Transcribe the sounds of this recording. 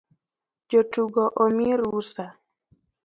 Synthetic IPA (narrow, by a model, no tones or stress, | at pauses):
d͡ʒotuɡɔʔomiɾusa